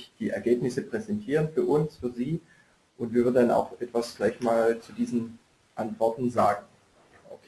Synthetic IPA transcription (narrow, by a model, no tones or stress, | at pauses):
d̥iːʔɛ̰ɐɡeːpnɪsəpʁ̥ɛzɛntʰiːʁ̞ənfyːɐʔʊnsfyːɐziː | ʔʊntv̥iːɐvʏɐdndana̰ʊxʔɛtv̥asɡ̥laɪçmaːlt͡sudiːzn̩ | ʔantv̥ɔɐtn̩zaːɡŋ̩ | ʔo̰kʰː